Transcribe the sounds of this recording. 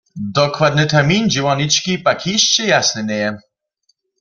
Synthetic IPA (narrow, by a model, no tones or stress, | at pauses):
d̪ɔkwad̪nɨt̪ɛrmʲind͡ʑɛwanit͡ʃkʲipakʰiɕt͡ɕɛjasnɛnʲɛjɛ